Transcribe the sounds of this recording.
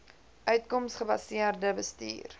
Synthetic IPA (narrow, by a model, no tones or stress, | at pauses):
ʔœɥtkɔmsχəbɐsiərdəbəstḭːr